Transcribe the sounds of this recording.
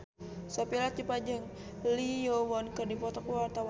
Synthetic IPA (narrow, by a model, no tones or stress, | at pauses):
sɔpilat̪̚d͡ʒipad͡ʒaŋ | liowɔnkərdipɔt̪ɔkuwart̪awa